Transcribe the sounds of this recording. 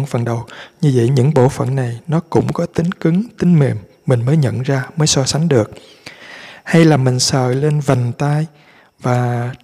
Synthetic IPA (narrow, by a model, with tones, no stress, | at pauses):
nfə˨˩nɗə˨˩wɲɨ˧və̰˧˨jɲɨ̰˧˥ŋɓo̰˧˩fə̰˧˩˨nːa˨˩jnɔ˨˦kʊ̰˧˥ŋ͡mkɔ˨˦t̪ï˨˦ŋ̟kɨ˨˦ŋt̪ï˨˦ŋ̟me˨˩mːï˨˩ŋ̟məː˨˦jɲə̰˧˨nzaː˧məː˨˦jsɔ˧sa˨˦ŋ̟ɗɨ˨˩ək̚ | ha˧jlaː˨˩mï˨˩ŋ̟sə̰ː˧˨le˧nva˨˩ŋ̟t̪aː˧j | vaː˨˩